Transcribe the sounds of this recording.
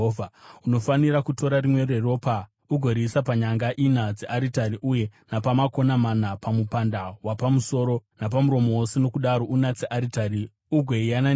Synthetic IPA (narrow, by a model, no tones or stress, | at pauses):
vʱuno̞faniɾakuto̞ɾarimwe̞re̞ro̞pa | uɡʱo̞ɾisapaɲaŋɡaʔinad͡zeʔaɾitaɾiʔuje̞napamako̞namanapamupandawapamuso̞ɾo̞nap̬amuɾo̞mo̞woseno̞kuɗaɾo̞ʔunat͡seʔaɾitaɾi | uɡʱeijana